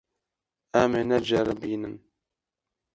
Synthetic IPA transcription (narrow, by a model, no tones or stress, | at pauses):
æmənæd͡ʒəɾˤəbinən